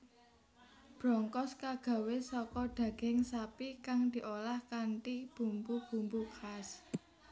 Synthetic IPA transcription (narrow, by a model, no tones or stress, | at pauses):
b̥ɾɔŋkɔskaɡ̥a̤wesɔkɔɖ̪̥ä̤ɡ̥ɪŋsapikaŋd̪̥i̤ʔolahkanʈib̥ṳmpub̥ṳmbukas